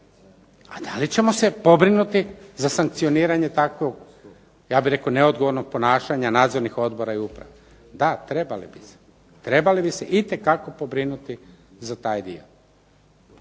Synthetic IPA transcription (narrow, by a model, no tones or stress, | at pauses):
ad̪alit͡ɕe̞mo̞se̞po̞bɾinut̪izasaŋkt̪sio̞niːɾaɲe̞t̪akʋoɡ | jaːbiɾe̞kone̞od̪ɡo̞ʋo̞ɾnoɡ̚po̞naːʃaɲanaːd̪zo̞ɾnixo̞d̪bo̞ɾaiupɾa̰ʋa | d̪at̪ɾebalibise̥ | t̪ɾe̞balibise̞ʔit̪e̞kako̞po̞bɾinut̪i | zat̪aːjd̪ḭo